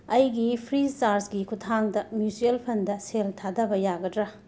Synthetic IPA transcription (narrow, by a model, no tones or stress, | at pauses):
ɐjɡipʰɾit͡ʃaɾsɡikʰutʰaŋdɐmjusielpʰɐndɐseltʰadɐbɐjaɡɐdɾɐ